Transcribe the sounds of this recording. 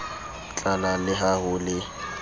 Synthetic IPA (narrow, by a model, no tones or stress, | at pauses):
t͡ɬʼalalɪɦahʊlɪ